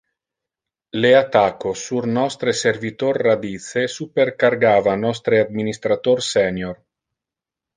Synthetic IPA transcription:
leat̪akosurnɔst̪ɾeservit̪orːad̪it̪sesuperkarɡaːvanɔst̪ɾead̪̚minist̪ɾat̪orsɛnjor

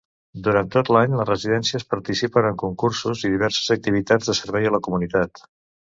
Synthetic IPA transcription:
d̪uɾant̪ot̪laɲləzrəziðɛnsiəspəɾt̪isipənəŋkuŋkursuziðiβ̞ɛɾsə̥zək̚t̪iβ̞it̪ad͡zðəsəɾβɛjələkumunit̪at̪

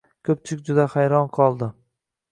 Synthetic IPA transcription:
kʲʰɵp̚t͡ʃʰɪkʲd͡ʒʊd̪aχajɾɒnqʰɒlˠd̪ɪ

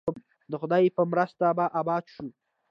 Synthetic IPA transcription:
d̪əxʊd̪ɑjipəmɾəst̪abaʔabɑd̪ʃu

